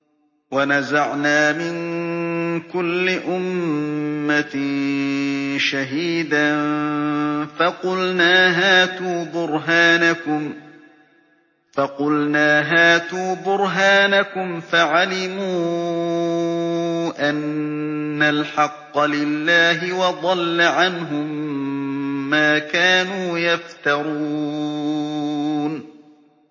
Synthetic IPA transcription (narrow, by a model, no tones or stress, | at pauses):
wanazaʕnaːmɪŋ | kʊlːɪʔʊmː | a | ʃaɦiːd̪an | faqʊlnaːɦaːt̪uːbʊɾɦaːnakʊm | fɑqʊlnaːɦaːt̪uːbʊɾɦaːnakʊmfaʕalɪmuː | ʔanː | alħɑqːɑlɪlːaːɦɪwɑd̪ˤɑlːaʕanɦʊm | aːkaːnuːjaft̪ɑɾˤu | n